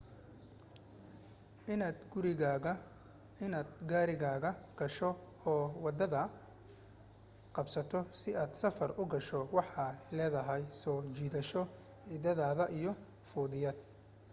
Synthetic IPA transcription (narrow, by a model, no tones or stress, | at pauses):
ɪnad̪ɡʊɾɪɣa | ɪnaːd̪ɡaːɾɪɣaːɣɐɡ̥ɐʃɔ | ɔːwɑd̪ɐðɐ | qɑbsɐt̪ʰɔsɪʔaːd̪sɐfɐrʊɡɐʃɔwɑħɑlɛːðɐɦɛjsɔːt͡ʃiːðɐʃɔ | ɪðɐðaːðɐʔijɔ | fuːðɪjɐd̪̚